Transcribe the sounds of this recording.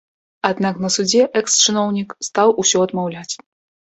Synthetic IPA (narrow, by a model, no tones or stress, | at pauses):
ad̪naknɐsud͡zʲɛʔɛkst͡ʂɨnɔwnʲikst̪awʔusʲɔɐd̪mawlʲat͡sʲ